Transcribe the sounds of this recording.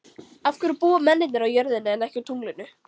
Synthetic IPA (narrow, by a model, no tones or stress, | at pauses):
afkʏɾpuːamɛnːɪt̪nɪɾawjœɾðɪnʏɛnɛhcɪt̪ʰuŋlɪnːʏ